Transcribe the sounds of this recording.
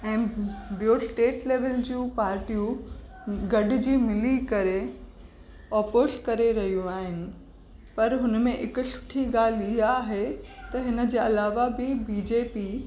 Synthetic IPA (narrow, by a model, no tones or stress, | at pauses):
ɛ̃ːbijosʈeːʈleːʋəld͡ʑũːpaːɾʈijũ | ɡɐɖ̆d͡ʑiːmɪlikɐɾe | ɔːpoːskɐɾeɾɐɦijũaːɦɪnɪ̆ | pɐɾɦʊnmẽʔɪkəsʊ̥ʈʰiɡaːliɦaːɦet̪ɐɦɪnə̆d͡ʑeːɐlaːʋabɪbiːd͡ʑeːpi